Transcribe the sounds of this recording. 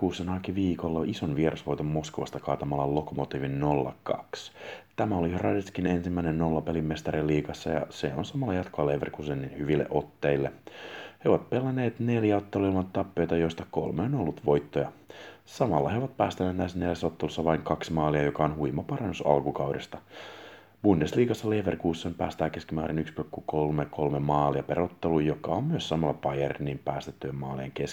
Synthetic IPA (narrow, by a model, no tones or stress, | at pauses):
kuːsːenɑːkiʋiːkolːɑʔisonʋieɾʔɑsʋo̞jt̪omːo̞skoʋɑ̰st̪ɑkɑːt̪ɑmɑlːɑlo̞komot̪iːʋinːo̞lːɑ̰kɑ̰kst̪æmæolihrɑdeskine̞nsimːæinenno̞lːɑpelimmest̪ɑɾilːiːkɑsːɑjɑ̰seonsɑmɑlːɑjɑt̪koɑleʋerkusenːinhyʋilːḛʔo̞t̪ːeilːeheoʋɑt̪̚pelːɑneːt̪ne̞ljæot̪ːeloilmɑnt̪ːɑpːø̞jt̪ɑjo̞ist̪ɑko̞̰lmeonolːut̪ʋo̞jt̪ːojɑsɑmɑlːɑheoʋɑt̪̚pæːst̪æneːt̪næsːneljæsːot̪ːelusːɑʋɑiŋkɑksmɑːliɑjokɑonhuimɑpɑrɑnːusɑ̰lkukɑuwdest̪ɑ | b̥undesliːkɑsːɑleːʋerkuːsːempæːst̪æːkeskimæːɾenykspykːukolmekʰo̞lmemɑːliɑperot̪ːelujjokːɑommyøssɑmɑlːɑpɑjernːimpæːst̪et̪ːyjemmɑːlieŋkes